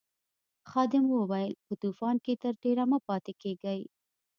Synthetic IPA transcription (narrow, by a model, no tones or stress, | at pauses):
xɑd̪ɪmwowajəlpət̪ufɑnket̪əɾʈeɾamapɑt̪ekeɡaj